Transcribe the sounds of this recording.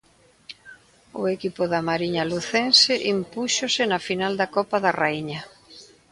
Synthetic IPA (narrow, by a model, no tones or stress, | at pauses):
ʊekipʊðɐmaɾiɲɐluθensɪʔimpuʃosɪnɐfinald̪ɐkɔpɐðɐraiɲɐ